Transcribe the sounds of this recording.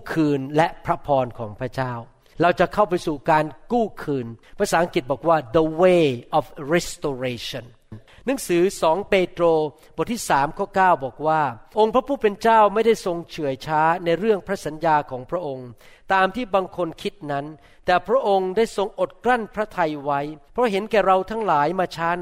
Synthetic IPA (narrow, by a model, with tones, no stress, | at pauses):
kʰɯː˧nlɛ˦˥pʰɾa˦˥pʰɔː˧nkʰɔː˩˦ŋpʰɾa˦˥t͡ɕaː˥˩w | ɾa˧wt͡ɕa˨˩kʰa˥˩wpa˧jsuː˨˩kaː˧nkuː˥˩kʰɯː˧npʰɾa˧˥saː˩˦ʔa˧ŋki˨˩t̪̚bɔː˨˩k̚waː˥˩d̪ə˧weː˧˩ʔɔː˨˦fɾɛ˦˥st̪oː˧ɾeː˧t͡ɕʰɔ˧˩n˩n | nɯ˩˦ŋsɯː˩˦sɔː˩˦ŋpeː˧t̪ɾoː˧bɔ˨˩t̪ʰːiː˥˩saː˩˦mkʰɔː˥˩kaː˥˩wbɔː˨˩k̚waː˥˩ʔo˧ŋpʰɾa˦˥pʰuː˥˩pe˧nt͡ɕaː˥˩wma˥˩jda˥˩jso˧ŋt͡ɕʰɯ˨˩˦əjt͡ɕʰaː˦˥na˧jɾɯ˥˩əŋpʰɾa˦˥sa˩˦njaː˧kʰɔː˩˦ŋpʰɾa˦˥ʔo˧ŋt̪aː˧mt̪ʰiː˥˩baː˧ŋkʰo˧nkʰi˦˥t̪̚na˦˥n | t̪ɛː˨˩pʰɾa˦˥ʔo˧ŋdaː˥˩jso˧ŋʔo˨˩t̪̚kɾa˥˩npʰɾa˦˥t̪ʰa˧jwa˦˥jpʰɾɔ˦˥ɦe˩˦nkɛː˨˩ɾa˧wt̪ʰaː˦˥ŋlaː˩˦jmaː˧t͡ɕʰaː˦˥